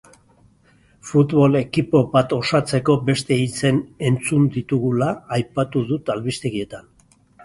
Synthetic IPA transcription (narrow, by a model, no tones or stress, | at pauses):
fut̪βo̞le̞kipo̞bat̪o̞sat͡se̞ko̞be̞st̪eit͡se̞ne̞nt͡sund̪it̪uɣ̞ulaːjpat̪uðut̪alβist̪e̞ɣie̞t̪an